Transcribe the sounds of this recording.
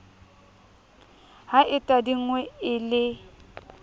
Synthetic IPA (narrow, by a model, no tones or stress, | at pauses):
haʔɪtʼadiŋ̩wɛɪlɪ